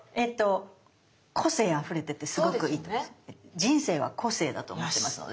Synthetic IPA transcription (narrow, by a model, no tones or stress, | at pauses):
e̞t̪ːo̞ | kʰo̞se̞ːaɸɯ̟ɾe̞t̪e̞t̪ːe̞sɨɡo̞kɯ̟iːt̪od͡ʑĩɰ̃se̞ːβa̰kʰo̞se̞ːd̪at̪omoemasɨno̰d̪e